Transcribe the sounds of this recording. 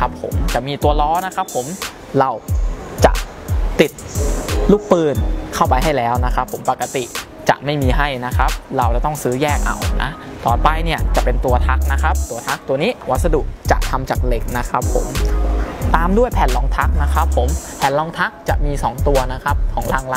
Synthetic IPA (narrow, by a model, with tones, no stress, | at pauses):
a˦˥pʰo̰˩˦mt͡ɕa˨˩miː˧t̪u˧ɐlɔː˦˥na˦˥kʰa˦˥pʰːo˩˦m | ɾa˧wt͡ɕa̰˨˩ʔ | t̪i˨˩t̪̚luː˥˩k̚pɯː˧˩nkʰa˥˩wpa˧jɦa˥˩jlɛː˦˥wna˦˥kʰa˦˥pʰːo˩˦mpa˨˩kːa˧t̪ḭ˨˩ | t͡ɕa̰˨˩ʔma˥˩jmiː˧ɦa˥˩jna˦˥kʰa˦˥p̚ɾa˧wt͡ɕa˨˩t̪ɔ˥˩ŋsɯː˦˥jɛː˥˩k̚ʔa̰˨˩wna̰˦˥ | t̪ɔː˨˩npa˧jni˥˩ɐt͡ɕa˨˩pe˧nt̪u˧ɐt̪ʰa˦˥k̚na˦˥kʰa˦˥p̚t̪u˧ɐt̪ʰa˦˥k̚t̪u˧ɐniː˦˥wa˦˥t̪̚sa˧dṵ˨˩kt͡ɕa̰˨˩ʔt̪ʰa˧mt͡ɕaː˨˩k̚le˨˩k̚na˦˥kʰa˦˥pʰːo̰˩˦m | t̪aː˧mdu˥˩əjpʰɛː˨˩nlɔː˨˧˥ŋt̪ʰa˦˥k̚na˦˥kʰa˦˥pʰːo˩˦mpʰɛː˨˩nlɔː˧˥ŋt̪ʰa˦˥k̚t͡ɕa˨˩ʔmiː˧sɔː˩˦ŋt̪u˧ɐna˦˥kʰa˦˥p̚kʰɔː˩˦ŋlaː˧˩ŋla˧